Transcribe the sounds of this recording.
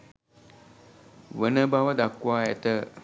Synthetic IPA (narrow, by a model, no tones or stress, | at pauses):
ʋənəbawəd̪akːwaɛt̪ə